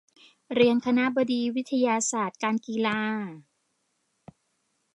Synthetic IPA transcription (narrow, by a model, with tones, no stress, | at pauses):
ɾi˧ənkʰa˧na˦˥ʔbɔ˧diː˧wi˦˥t̪ʰːa˧jaː˧saː˨˩t̪̚kaː˧nkiː˧laː˧